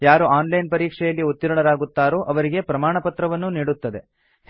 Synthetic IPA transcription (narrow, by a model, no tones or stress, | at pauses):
jaːɾuʔaːnlɐjnpɐɾiːkʂɛjɐlːiut̪ːiɾuɳɐɾaːɡut̪ːaːɾoːʔɐʋɐɾiɡe̞pɾɐmaːɳɐpɐt̪ɾɐʋɐnːuniːɽut̪ːɐd̪e̞̰